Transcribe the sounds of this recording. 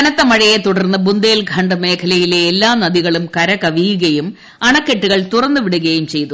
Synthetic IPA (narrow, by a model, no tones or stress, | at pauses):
ɐnɐt̪ːɐmɐɻɐjet̪uɽɐrnːɐbund̪eːlɡʱɐɳɖɨme̞ːkʰɐlɐjileːlːaːnɐðiɣɐɭumkɐɾɐkɐʋijuɣɐjum | ɐɳɐkːeʈːuɣɐɭt̪urɐnːuʋiɽuɣɐjumt͡ɕe̞jt̪u